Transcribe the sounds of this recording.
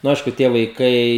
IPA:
nʊ ˈɐɪʃkʊ tʲiɛ ʋɐɪˈkɐɪ

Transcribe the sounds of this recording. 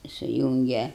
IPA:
sʊˈjuːŋʲɡʲɛ

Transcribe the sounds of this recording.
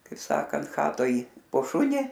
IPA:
kɐɪp ˈsɑːkɐnt ˈxɑːtoːj poː ˈʃʊnʲɪ

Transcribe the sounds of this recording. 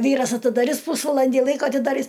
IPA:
ˈʋʲiːrɐs ɐtʲɪdɐˈrʲɪs ˈpuːsʋɐlˠɐnʲdʲɪ ˈlˠɐɪkoː ɐtʲɪdɐˈrʲɪs

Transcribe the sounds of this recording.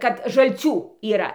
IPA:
kɐt ʒɐlʲˈt͡sʲuː iːˈrɐ

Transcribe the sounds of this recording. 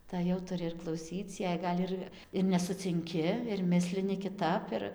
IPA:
ˈtɐɪ jɛʊ tʊˈrʲɪ ɪr klˠɐʊˈsʲiːt͡s jɛɪ ˈɡɐlʲ ɪr ɪr nʲɛsʊt͡sʲɪŋʲˈkʲɪ ɪr ˈmʲɪsʲlʲɪnʲɪ kʲɪˈtɐp ɪr

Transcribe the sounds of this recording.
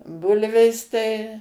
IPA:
ˈbʊlʲʋʲeːs tɐɪ

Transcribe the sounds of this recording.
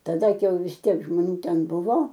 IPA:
tɐˈdɐ ˈkɐɪ jɛʊ ʋʲɪs ˈtʲiɛk ʒmoːˈnʲuː ˈtʲɛn ˈbʊʋoː

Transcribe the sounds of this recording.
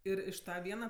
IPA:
ˈɪr ɪʃ ˈtɐ ˈʋʲiɛnɐ

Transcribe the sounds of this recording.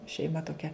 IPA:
ʃʲɛɪˈmɐ toːˈkʲɛ

